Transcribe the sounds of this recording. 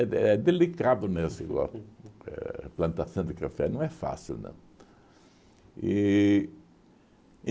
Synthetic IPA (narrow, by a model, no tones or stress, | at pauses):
ɛɛd̪elikaðʊnesɪɡɔ̰ɛ̰plɐ̃nt̪asɐ̃w̃d̪ɪkafɛ̰nɐ̃w̃ɛfa̰silnɐ̰̃ | i